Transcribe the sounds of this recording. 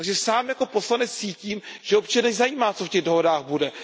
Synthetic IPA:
aɡʒɛsaːmjako̞po̞slanɛt͡ssiːciːmʒ̥ɛop̚t͡ʃanɛzajiːmaːt͡sofcɛɣdo̞ɦo̞daːxbudɛ

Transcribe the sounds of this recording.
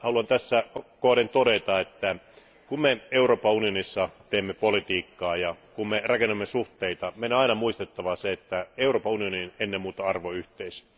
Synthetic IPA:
hɑluɑnt̪æsːækoːdent̪odet̪ɑet̪ːæ | kummeeuroːpɑunionisːɑt̪eːmːepolit̪iːkːɑːjɑkummerɑkenːemːesuht̪eit̪ɑmenɑinɑmuist̪et̪ːɑʋɑseet̪ːæeuroːpɑunioninenːemmuːt̪ɑɑrʋoyht̪eis

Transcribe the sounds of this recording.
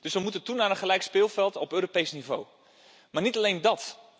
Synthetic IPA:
d̥ɵsʋəmutəntunaːrənχəlɛjkspɪːlˠfɛlˠtɔpøːropejsnivow | maːrnitalejndɑt

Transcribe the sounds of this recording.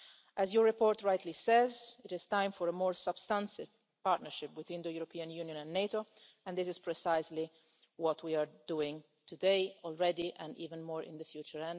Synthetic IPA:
ʔæzjɔɹːɛpɔːɹt̪ɹajt̪ʰlisɛzɪtɪz̥t̪ãɪ̃mfɔɾəmɔːɹsab̥st̪ãnsɪv | paɾtnəɹʃɪpwɪθwɪ̃nd̪əjuɾɔpʰiːãnjuːnjɔ̃nɛ̃nːeto | ɛ̃ndɪs̬ɪzpɹɛsaɪzli | wɔt̪ʰwiaɹduɪ̃ŋ | t̪ʰud̪eɪɔlˠɹɛd̪iʔɛ̃nḭːvə̃nmɔːɹɪ̰̃nd̪əfjuːt͡ʃəɹɛ̃n

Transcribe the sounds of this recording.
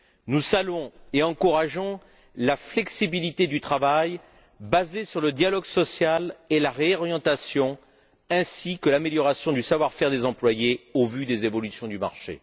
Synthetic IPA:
nuzalɔ̃eɑ̃kuʁaʒɔ̃ | laflɛksibilit̪ed̪yt̪χavaj | bazesyʁləd̪jalɔɡsɔsjalelaʁeɔʁjɑ̃t̪asjɔ̃ | ɛ̃sikəlameljɔʁasjɔ̃d̪ysavwaʁfɛʁd̪ezɑ̃plwajeovyd̪ezevɔlysjɔ̃d̪yma̰ʁʃḛ

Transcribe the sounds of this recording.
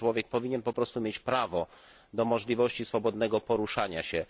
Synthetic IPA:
wɔvʲjɛk̚pɔvʲiɲɛnpɔpɾɔst̪umʲjet͡ɕpɾavɔ | d̪ɔmɔʐlʲivɔɕt͡ɕisfɔbɔd̪nɛɡɔpɔɾuʂaɲaɕɛ

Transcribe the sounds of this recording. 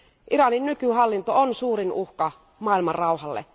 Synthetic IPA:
ʔiɾɑninːykyhɑlːint̪oonsuːɾinuhkɑ | mɑːilmɑrrɑuhɑlːḛ

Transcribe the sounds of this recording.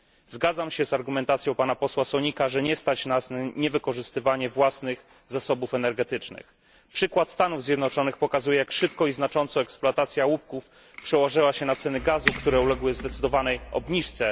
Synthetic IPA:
zɡad̪zamɕɛzaɾɡumɛnt̪at̪sjɔ̃w̃panapɔswasɔɲikaʐɛɲɛst̪at͡ɕnasnɲɛvɘkɔʐɘst̪ɘvaɲɛvwasnɘx | zasɔbufɛnɛɾɡɛt̪ɘt͡ʂnɘ̰x | pʂɘkwat̪st̪anuvzʲjɛd̪nɔt͡ʂɔnɘxpɔkazujɛjakʂɘp̚kɔiznat͡ʂɔnt̪sɔɛksplɔat̪at̪sʲjawup̚kuf | pʂɛwɔʐɘwaɕɛnat̪sɛnɘɡazukt̪uɾɛulɛɡwɘzd̪ɛt̪sɘd̪ɔvanɛjɔ̰bɲiʂt̪sɛ

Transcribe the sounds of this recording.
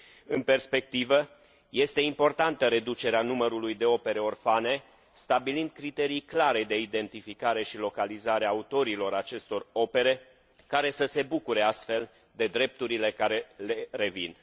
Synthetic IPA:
ɨnpe̞rspe̞k̚t̪ivə | je̞st̪e̞impo̞rt̪ant̪əɾe̞d̪ut͡ʃe̞ɾeanuməɾulujd̪e̞o̞pe̞ɾe̞o̞rfane̞ | st̪abilind̪̚kɾit̪e̞ɾijklaɾe̞d̪e̞id̪e̞nt̪ifikaɾe̞ʃilo̞kalizaɾeaːut̪o̞ɾilo̞ɾat͡ʃe̞st̪o̞ro̞pe̞ɾe̞ | kaɾe̞səse̞bukuɾe̞ast̪fe̞l | d̪e̞d̪ɾe̞p̚t̪uɾile̞kaɾe̞lere̞vḭn

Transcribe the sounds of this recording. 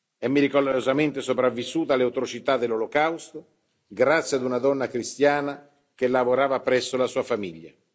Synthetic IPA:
ɛmːiɾikoozament̪esopɾavːisːuːt̪aleawt̪ɾot͡ʃit̪ad̪ːelːolokawst̪o | ɡɾat̪sːjad̪unad̪ɔnːakɾist̪jaːna | k̟elavoɾaːvapɾɛsːolasuːafamiʎːa̰

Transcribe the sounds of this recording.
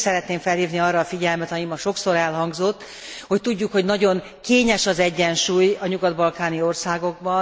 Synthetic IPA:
sɛɾɛt̪neːɱfɛlhiːvniɒrɒːfiɟɛlmɛt̪ɒjimːɒʃo̞kso̞ɾɛlɦɒŋɡzo̞t̪ː | ho̞c̚t̪uɟːukho̞ɟnɒɟo̞ŋ | keːɲɛʃɒzɛɟːɛnʃuːjɒɲuɡɒd̪bɒlkaːnio̞rsaːɡo̞ɡbɒ

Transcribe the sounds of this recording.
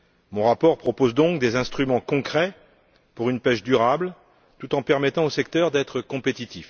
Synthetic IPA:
mɔ̃ʁapɔʁpχɔpozd̪ɔ̃kd̪ezɛ̃st̪χymɑ̃kɔ̃kχɛ | puʁynpɛʃd̪yʁabl | t̪ut̪ɑ̃pɛʁmɛt̪ɑ̃osɛkt̪œʁd̪ɛt̪χəkɔ̃pet̪it̪if

